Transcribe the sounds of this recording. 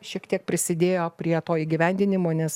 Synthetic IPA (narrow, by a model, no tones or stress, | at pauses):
ʃʲiɛkt̪ʲiɛk̚pʲɾʲɪsʲɪd̪ʲeːjoːpʲɾʲiɛt̪oːiːɡʲɪʋʲɛnʲd̪ʲɪnʲɪmoːnʲɛs